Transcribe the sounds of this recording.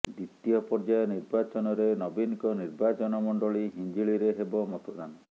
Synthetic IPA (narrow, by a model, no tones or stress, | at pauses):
d̪it̪ijɔpɔɾd͡ʒajɔniɾbat͡ʃɔnɔɾenɔbinkɔniɾbat͡ʃɔnɔmɔɳɖɔɭiɦiɲd͡ʒiɭiɾeɦebɔmɔt̪ʰod̪anɔ